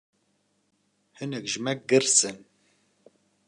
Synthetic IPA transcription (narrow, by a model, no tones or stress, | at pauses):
hɨnɛkʒmɛk̚ɡɨɾsɨn